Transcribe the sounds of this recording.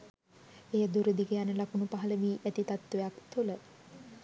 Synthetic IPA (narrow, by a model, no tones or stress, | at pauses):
ejəd̪uɾəd̪ikəjanəlakunupaɦɐləʋiːʔæt̪it̪at̪ːʋejakt̪ulə